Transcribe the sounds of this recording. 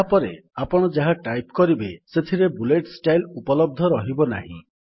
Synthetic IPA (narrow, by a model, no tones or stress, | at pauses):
apɔɾeapɔɽ̃ɔd͡ʒaɦaʈajpkɔɾibeset̪ʰiɾebuleʈsʈajlupɔlɔb̚d̪ʱɔɾɔɦibɔna̰ɦḭ̃